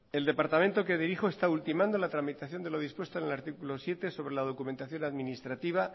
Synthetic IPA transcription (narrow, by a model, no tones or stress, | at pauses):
e̞ld̪e̞paɾt̪amẽ̞nt̪o̞keðiɾixo̞e̞st̪ault̪imãnd̪o̞lat̪ɾamit̪aθjo̞nd̪e̞lo̞ð̞ispwe̞st̪oenelaɾt̪ikulo̞sje̞t̪e̞so̞βɾe̞lað̞o̞kument̪aθjo̞naðminist̪ɾat̪iβ̞a